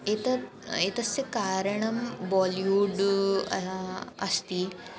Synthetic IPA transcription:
eːt̪ɐ | eːt̪ɐsjɐkaːɾɐɳɐmʋɔːljuːɖ | ɐst̪i

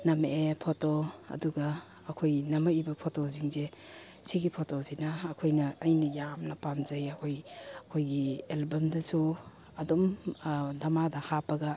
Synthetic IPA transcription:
nɐmeepʰotoɐ̰duɡɐː | kʰojnɐmɐibɐpʰotoziŋze | siɡipʰotosinɐːkʰojnɐːjnɐjamnɐpamzajɐkʰojɐkʰojɡielbɐmdɐsu | ɐdom | dɐmadɐhapɐɡɐ

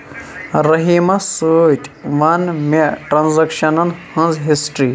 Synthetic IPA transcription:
ɾɐɦimɐsut̪ʲʼʋɐnmeʈɾanzɐkʃɐnɐnhɐ̃nzɦisʈɾi

